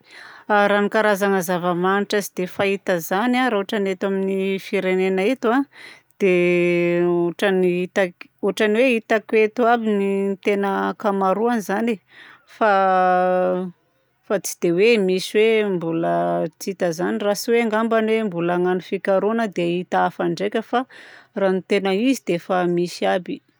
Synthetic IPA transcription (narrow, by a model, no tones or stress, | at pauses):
aɾanikaɾazaŋəzavəmaniʈ͡ʂazid̪efait̪əzanaɾauʈ͡ʂanet̪aminifiɾenenaet̪wa | d̪̥e | uʈ͡ʂaniit̪ak | uʈ͡ʂaniweit̪akwet̪uabinint̪enəkamaɾuanizane | fa | fat͡si̥d̪̥ewemisiwembulət͡sit̪əzanirasiweaŋɡambanwembulaŋanufikaɾunəd̪eit̪aafaɳɖ͡ʐekʲəfaranit̪enəizid̪efamisiabi